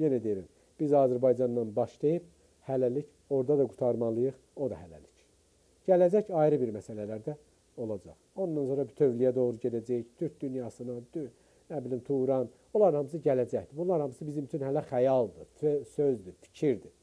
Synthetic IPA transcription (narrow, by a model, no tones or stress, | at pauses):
jenæd̪ejɾim | b̥izɑːzæɾbɑjd͡ʒɑnd̪ɑnbɑʃd̪ejip̚ | hælælic | o̞ɾd̪ɑd̪ɑɡut̪ʰɑɾmɑlˠɯjɯχ | o̞d̪ɑ̰hælæ̰li̥c | ɟ̥ælæd͡ʒæcɑjiɾɯbiɾmæsælælæɾd̪æ | o̞lˠɑd͡ʒɑ̰χo̞nd̪ɑnso̞ɾɑbit̪ʰø̞vlijæd̪o̞ʁɾuɟed̪æd͡ʒæjict̪ʰyɾc̚d̪ynjɑsɯnɑd̪ | næbilimt̪ʰuɾɑn | olˠɑɾhɑms̬ɯɟælæd͡ʒæçd̪ibunlˠɑɾhɑmɯsɯbizimyt͡ʃʰynhælæχæjɑlˠd̪ɯøsøzd̪ifi̥cʰiɾd̪i